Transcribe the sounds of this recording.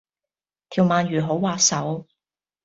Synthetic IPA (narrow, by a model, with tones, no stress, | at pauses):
t̪ʰiː˨˩wmaː˨˧nɥyː˨˩ɦo˨˥wwaː˧ksɐ˨˥w